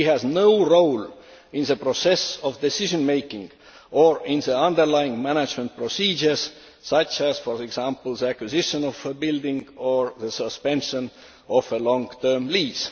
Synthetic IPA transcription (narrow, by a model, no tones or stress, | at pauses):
ihæznoʊɹowl | ĩnðəpɹosesovd̪esiʒõnmejkĩŋɡ̥ | ʔoɹĩnðəɑ̃nd̪əɹlajɪ̃ŋmænæd͡ʒmə̃nt̪̚pɹosiːd͡ʒə˞z̥ | sɑt͡ʃæz̥foɹeɡsɑ̃mpəl̩ðəækwizɪʃə̃nofəbɪld̪ĩŋɡoɹðəsəspẽnʃə̃n | ʔofəlɔ̃ŋt̪ʰə˞mliːz̥